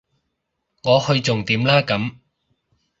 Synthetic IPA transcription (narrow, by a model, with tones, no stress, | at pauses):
ŋɔː˨˧hɵ˧ɥt͡sʊ˨ŋt̪iː˨˥mlaː˥kɐ˨˥m